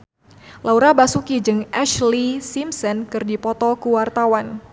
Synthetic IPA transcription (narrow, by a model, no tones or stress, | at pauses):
lauɾabasukid͡ʒɨŋɛʃlisimsɔnkɨrdipɔt̪ɔkuwart̪awan